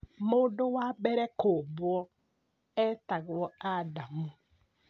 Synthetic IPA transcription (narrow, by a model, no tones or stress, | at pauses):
mʊdowabɛɾekobʊɔ | etaɣɪwɔadamʊ